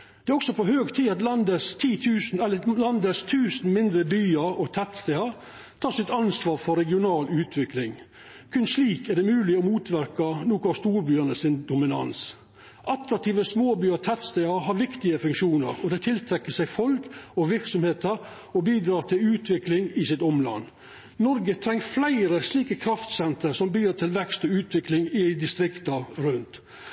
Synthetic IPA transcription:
d̪̥ɛæɾɔksɔpʰɔɦøːɡt̪ʰiːɑt̪lɑnd̪əst̪ʰiːt̪ʰʉːn̩ɛlːəlɑnd̪əst̪ʰʉːsn̩mɪnd̪ɾəbyːəɾɔt̪ʰɛt̪st̪æɪɑɾ | t̪ʰɑːsɪt̪ɑnsʋɑːɾfɔɾɛɡɪʊnɑːlʉːt̪ʰʋɪklɪŋ | kʰʉnsliːkɛɖ̪ɛmʉːlɪɔmuːt̪ʰʋæɾkɑnuːkʊst̪uːɾbyːənəsɪnd̪ʊmɪnɑ̰ns | ʔɑt̪ɾɑk̚t̪ʰiːʋəsmoːbyːəɾt̪ʰɛt̪st̪æɪɑɾɦɑːɾʋɪkt̪ɪəfʉŋkʃuːnə̰ɾɔd̪ɛt̪ʰɪlt̪ʰɾɛkːəsæɪfɔlkɔʋɪɾksɔmheːt̪əɾ | ɔbiːd̪ɾɑːɾt̪ʰɪlʉːt̪ʰʋɪklɪŋɪsɪt̪ɔmlɑ̰nː | nɔɾɡət̪ʰɾɛŋːflæɪɾəsliːkəkʰɾɑft̪sɛnt̪əɾsɔmbyːɾət̪ʰɪlʋɛkst̪ɔʉːt̪ʰʋɪklɪŋɪɪd̪ɪst̪ɾɪkt̪ɑɾʉnt̪

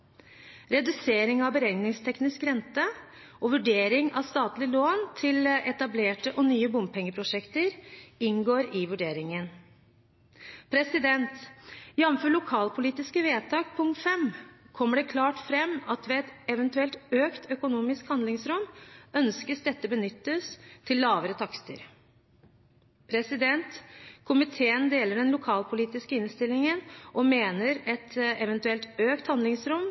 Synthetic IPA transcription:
ɾɛd̪ʉseːɾɪŋɑʋbəɾɛŋnɪŋst̪ʰɛknɪskɾɛnt̪ə | ʔɔʋʉɖeːɾɪŋɑʋst̪ɑːt̪lɪəloːnt̪ʰɪlɛt̪ɑbleːʈəʔɔnyːəbʊmpʰɛŋːəpʰɾʊʂɛkt̪əɾɪŋɡoːɾɪʋʉɖeːɾɪŋən | pʰɾɛsɪd̪ɛnt̪ɪɑʋnfɔɭʊkʰɑːlpʰʊliːt̪ɪskəʋeːt̪ʰɑːk̚pʰʊŋt̪fɛm | kʰɔmːəɖɛkʰlɑːʈfɾɛmːɑt̪ʋɛɛt̪ɛʋənt̪ʉɛlt̪øːkt̪ʰœkʊnuːmɪskhɑnd̪lɪŋsɾʊmːœnskəsd̪ɛt̪ːəbənʏt̪ːəst̪ʰːɪlːɑːʋəɾət̪ʰɑkst̪ə̰ɾ | pʰɾɛsɪd̪ɛnt̪kʰʊmɪt̪ʰeːənd̪eːləɖɛnlʊkʰɑːlpʰʊliːt̪ɪskəɪnst̪ɪlɪŋənʔɔmeːnəɾɛt̪ɛʋɛnt̪ʉɛlt̪øːkt̪hɑnd̪ɪŋsɾʊm

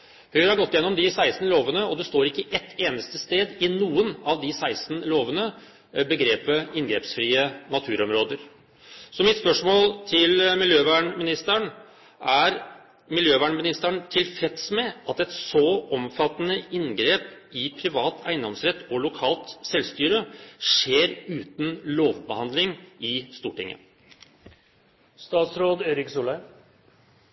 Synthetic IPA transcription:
hœʏɾhɑɾɡɔt̪ːɪjɛnːɔmd̪ɪsæɪsn̩loːʋənəɔd̪ɛst̪oːɾɪkːəʔɛt̪ːeːnəst̪əst̪eːd̪ɪnuːənɑʋd̪ɪsæɪst̪n̩loːʋənə | bəɡɾeːpəɪnɡɾeːpsfɾiːənɑt̪ʰʉːɾɔmɾoːd̪əɾ | sɔmɪt̪spœʂmoːlt̪ʰɪlmɪljøːʋæːɳmɪnɪst̪əɳ | ʔæɾ | mɪljøːʋæːɳmɪnɪst̪əɳt̪ʰɪlfɛt̪smɛɑt̪ɛt̪sɔɔmfɑt̪ːnəɪnɡɾeːp | ɪpʰɾɪʋɑːt̪ʰæɪnd̪ɔmsɾɛt̪ːɔlʊkʰɑːlt̪sɛlst̪yːɾəʂeːɾʉːt̪n̩loːʋbəhɑnd̪lɪŋɪst̪uːʈɪ̰ŋːə̰ | st̪ɑːt̪sɾoːd̪eːɾɪksulə

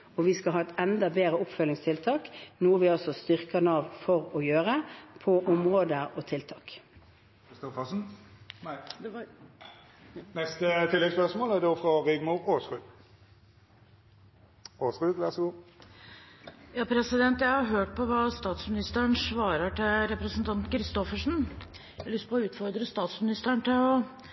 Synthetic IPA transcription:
ɔʋɪskɑlɦɑːɛt̪ɛnd̪ɑbeːʁəʊpfœlːɪŋst̪ʰɪlt̪ʰɑːknuːəʋɪɔsɔst̪ʏʁkənɑːʋfɔʁɔjøːʁəpʰɔʔɔmʁoːd̪əɔt̪ʰɪlt̪ʰɑːk | ɪst̪ɔfɑsn̩ | nɛst̪ət̪ʰɪlːɛɡspœʁsmoːlæʁd̪oːfʁɔʁɪɡmʊʁoːsʁʉː | oːsʁʉːʋæʁsɔɡuː | jɑːpʰɾɛsɪd̪ɛnt̪jæɪhɑɾɦøːʈ̚pʰɔʋɑːst̪ɑːt̪smɪnɪst̪əəɳsʋɑːɾəʈɪlɾɛpɾəsənt̪ʰɑnt̪kʰɾɪst̪ɔfəʂn̩ | lʏspʰɔɔʉːt̪fɔɾd̪ɾəst̪ɑːt̪smɪnɪst̪əɳt̪ʰɪlɔ

